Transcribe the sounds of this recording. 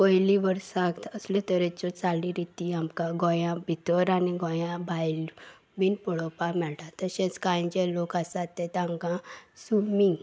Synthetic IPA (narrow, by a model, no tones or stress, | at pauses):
kɔjliʋəɾsak̪əslɔt̪əɾɛt͡ɕɔt͡salĩɾit̪iamkãɡɔ̃jãbʱit̪ɔɾaniɡɔ̃jãbajl | binpɔɽɔpamɛɭʈat̪əɕɛ̃t͡skãj̃d͡ʑɛlokasat̪ːɛ̃t̪ãŋkãsumi